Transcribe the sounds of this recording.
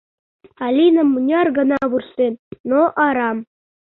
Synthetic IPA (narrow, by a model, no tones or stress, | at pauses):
ɑlʲinə̆mːunʲɑrɡə̆nɑβursennoʔɑɾɑm